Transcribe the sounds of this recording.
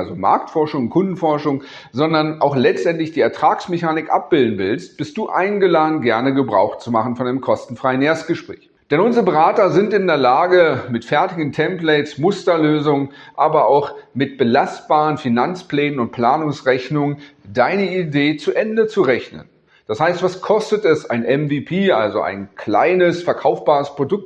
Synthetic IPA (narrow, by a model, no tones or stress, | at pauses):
lzoma̰ɐk̚tfɔɐʃʊŋkʰʊndn̩fɔɐʃʊŋ | zɔndɐnʔaʊxlɛt͡stʔɛntlɪçd̥iːɛɐtʁ̥aːksmeçaːnɪkʔa̰p̚b̥ɪldn̩vɪlst̚b̥ɪst̚d̥uːʔa̰ɪnɡəlaːdn̩ɡɛɐnəɡəbʁa̰ʊxt͡sumaχn̩fɔnʔaɪnəmkʰɔstn̩fʁ̥aɪəneːɐst̚ɡ̥əʃpʁ̥ɛ̰ːç | d̥ɛnʔʊnzəʁəbəʁaːtɐzɪntɪndeːɐlaːɡəmɪtfɛɐtɪɡn̩tʰɛmplɛɪt͡smʊstɐløːzʊŋʔaːbɐaʊxmɪt̚b̥əlast̚b̥aːʁənfinant͡spl̥ɛːnənʊnt̚pʰl̥aːnʊŋsʁɛçnʊŋəndaɪnəideːt͡suʔɛndət͡suʁɛçnə̰n | d̥ashaɪstv̥askʰɔstətɛsaɪnʔɛmviːpʰiːʔa̰lzoʔa̰ɪnkla̰ɪnəsfɛɐkʰaʊfb̥aːʁəspʁ̥odʊk̚t